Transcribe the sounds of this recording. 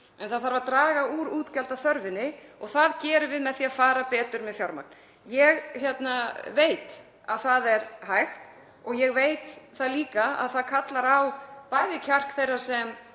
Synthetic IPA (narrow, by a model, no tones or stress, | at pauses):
ɛnθaðθaɾvaɾt̪ɾaːɣauːɾuːt̪calt̪aθœɾvɪnːɪɔɣθaðcɛːɾʏvɪðmɛðθiːafaːɾapɛːt̪ʏɾmɛðfjawɾma̰k̚n | jɛɣçjɛt̪naveːjt̪ | aðθaðɛɾhajxt̪ | ɔɣjɛɣvejt̪θaðliːkaa̰ðθaðkʰat̪laɾawpajðɪcʰar̥kθejrːḁsɛm